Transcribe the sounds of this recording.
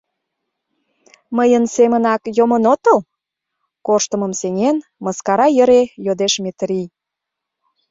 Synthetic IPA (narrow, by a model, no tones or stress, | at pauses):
məjənsemənɑkjomənot̪əl | koʃt̪əməmseŋenməskɑɾɑjəɾejod̪eʃmet̪ɾi